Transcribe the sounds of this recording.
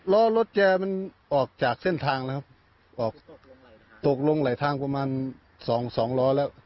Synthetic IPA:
lɔː˦˥lo˦˥t̪̚t͡ɕɛː˧ma˧˥˨nʔɔː˨˩k̚t͡ɕaː˨˩k̚se˥˩nt̪ʰaː˧ŋla˧˥kʰa˦˧˥p̚ | ʔɔː˨˩k̚ | t̪o˨˩k̚lo˧ŋla˨˩˦jt̪ʰaː˧˥ŋpa˧maː˧˥˨n | sɔː˩˦ŋsɔː˩˦ŋlɔː˧˥lɛː˧˥˩w

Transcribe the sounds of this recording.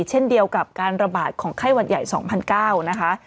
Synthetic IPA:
t͡ɕʰe˥˩ndi˧əwka˨˩p̚kaː˧nɾa˧baː˨˩t̪̚kʰɔː˩˦ŋkʰa˥˩jwa˧t̪̚ja˨˩jsɔ̰ː˩˦ŋpʰa˧nkaː˥˩wna˦˥kʰa˦˥ʔ

